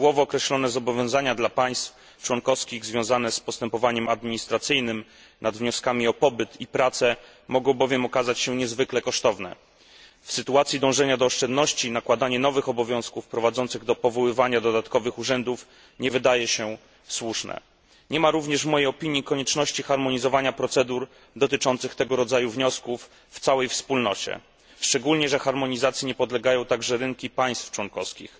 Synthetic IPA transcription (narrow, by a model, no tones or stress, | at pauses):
ɡwɔvɔːkɾɛɕlɔnɛzɔbɔvʲjɔ̃w̃zaɲad̪lapaj̃st̪f | t͡ʂwɔŋkɔfskʲiɣzvʲjɔ̃w̃zanɛspɔst̪ɛmpɔvaɲɛmad̪̚mʲiɲist̪ɾat̪sɘjnɘm | nʔad̪vɲɔskamʲiɔpɔbɘt̪ipɾat̪sɛ | mɔɡɔ̃w̃bɔvʲjɛmɔkazat͡ɕɕɛɲɛzvɘklɛkɔʂt̪ɔvnɛ̰ | fsɘt̪uat̪sʲid̪ɔ̃w̃ʐɛɲad̪ɔːʂt͡ʂɛnd̪nɔɕt͡ɕinakwad̪aɲɛnɔvɘxɔbɔvʲjɔ̃w̃skufpɾɔvad̪zɔnt̪sɘɣd̪ɔpɔvɔwɘvaɲad̪ɔd̪at̪kɔvɘxuʐɛnd̪uf | ɲɛvɘd̪ajɛɕɛ | swuʂnɛ̰ | ɲɛmaɾuvɲɛʐvmɔjejɔpʲiɲjikɔɲɛt͡ʂnɔɕt͡ɕixaɾmɔɲizɔvaɲapɾɔt̪sɛd̪uɾ | d̪ɔt̪ɘt͡ʂɔnt̪sɘxt̪ɛɡɔɾɔd̪zajuvɲɔskufː | t̪sawɛjfspulnɔt͡ɕɛ̰ | ʂt͡ʂɛɡulɲɛʐɛxaɾmɔɲizat̪sʲjiɲɛpɔd̪lɛɡajɔ̃w̃t̪aɡʐɛɾɘŋkʲipaj̃st̪ft͡ʂwɔnkɔfskʲḭx